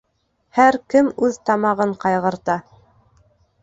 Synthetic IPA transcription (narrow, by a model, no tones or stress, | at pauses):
hæɾkɘmʉðt̪ɑmɑʁɤɴqɑjʁɤ̆ɾt̪ɑ